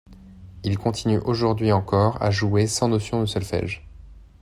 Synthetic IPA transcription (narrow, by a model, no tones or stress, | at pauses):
ilkɔ̃t̪ʰinyʔoʒuʁd̪ɥiɑ̃kɔʁa̰ʒuesɑ̃nosjɔ̃d̪əsœlfɛ̰ʒ